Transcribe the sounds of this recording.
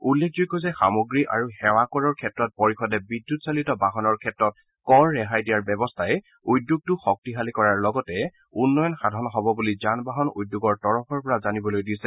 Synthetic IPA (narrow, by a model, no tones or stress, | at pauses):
ulːekʰzuɡɔzɛxa̰moɡɹiʔa̰ɹuxɛwakɔɹɔɹkʰɛtɹɔt̚pɔɹixɔdɛbidːutsalitɔbaɦɔnɔɹkʰɛtɹɔt̚ | kɔɹːɛɦajdijaɹbɛbɔstʰaɛ | ujdːjuɡ̚tuxɔk̚tiɦalikɔɹaɹlɔɡɔtɛ | unːɔjɔnxadʱɔnɔɦɔbɔbulizanbaɦɔnṵjdːuɡɔɹtɔɹɔpʰɔɹpɔɹazanibɔlojdisɛ